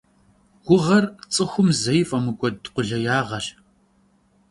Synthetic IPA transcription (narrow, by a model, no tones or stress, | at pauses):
wʷʊʁɐrt͡sʼɨxʷʊmzɐjfʼɐmɨɡʷʼɔdqʷʊɮɐjaːʁɐɬ